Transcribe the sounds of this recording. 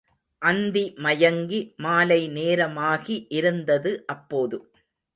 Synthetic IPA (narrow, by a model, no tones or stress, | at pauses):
ʔɐnd̪imɐjɐŋɡimaːlɐɪneːɾɐmaːɣiʔɪɾɯnd̪ɐðɯʔɐpːoːðɯ